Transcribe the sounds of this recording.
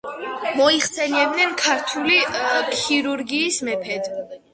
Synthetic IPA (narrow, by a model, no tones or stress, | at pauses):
mɔiχsɛniɛbd̪nɛnkʰaɾt̪ʰulikʰiɾuɾɡiːsmɛpʰɛd̪